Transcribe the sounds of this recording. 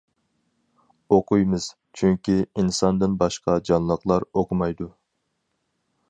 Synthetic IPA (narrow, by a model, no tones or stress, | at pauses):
oqujmɨz̥ | t͡ʃʰyŋkʲiinsɑnd̪ɨnbɑʃqɑd͡ʒɑnlˠəqlˠɑɾoqʰʊmɑjd̪u